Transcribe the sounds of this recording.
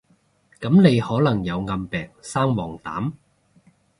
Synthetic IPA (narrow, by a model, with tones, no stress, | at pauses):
kɐ˨˥mne˨˧jhɔː˨˥lɐ˨˩ŋjɐ˨˧wŋɐ˧mpɛː˨˩ŋ̚saː˥mwɔː˨˩ŋt̪a̰ː˨˥m